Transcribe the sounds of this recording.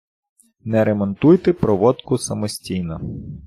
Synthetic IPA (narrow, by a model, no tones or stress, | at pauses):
nɛɾemɔnt̪ujt̪epɾɔʋɔd̪kʊsɐmɔsʲtʲijnɐ